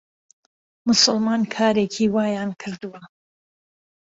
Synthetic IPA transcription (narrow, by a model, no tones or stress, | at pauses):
mʊsʊlmaːnkʰaːɾeːkʰiːwaːjaːnkʰɨɾd̪uwɐ